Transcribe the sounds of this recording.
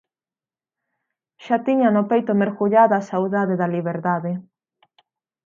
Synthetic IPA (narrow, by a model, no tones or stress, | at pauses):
ʃat̪iɲanʊpejt̪ʊmeɾɣuʎaðasawðaðeðaliβeɾðaðe